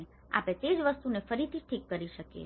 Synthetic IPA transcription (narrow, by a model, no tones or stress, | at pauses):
a̰pẽt̪ed͡ʒʋəst̪unefəɾit̪ʰiʈʰikːəɾiʃəkḛ